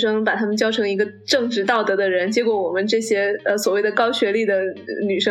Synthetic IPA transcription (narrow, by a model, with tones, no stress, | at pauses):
ʂɤ˥ŋpa˨˩t̪ʰa˥mə˨nt͡ɕjɑ˥ʊʈ͡ʂʰɤ˧˥ŋi˧˥ɡə˧ | ʈ͡ʂɤ˥˧ŋʈ͡ʂɻ̩˥˧t̪ɑ˥˩ʊt̪ɤ˧˥d̪ə˧ɻə˧˥nt͡ɕjɛ˥kwɔ˧˥wɔ˨˩mə˦nʈ͡ʂɤ˥˩ɕjɛ˥ə˧swɔ˨˩we˥˩ɪd̪ə˩kɑ˥ʊɕɥɛ˧˥li˥˩d̪ə˩ny˨˩ʂɤ˥